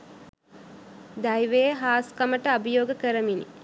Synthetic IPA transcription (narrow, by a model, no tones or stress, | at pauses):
d̪ajʋejːɦaːskaməʈəabəjoːɡəkəɾəminḭ